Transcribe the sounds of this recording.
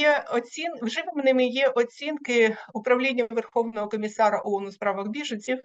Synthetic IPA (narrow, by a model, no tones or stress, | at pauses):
jɛɔt͡sʲinwʐɪʋɪmnɪmɪjɛʔɔt͡sʲinkɪʊpɾɐwlʲenʲːɐʋɛrxɔwnɔɦɔkɔmʲisaɾɐʔɔɔnʊspɾaʋɐɣbʲiʐɐnʲsʲiw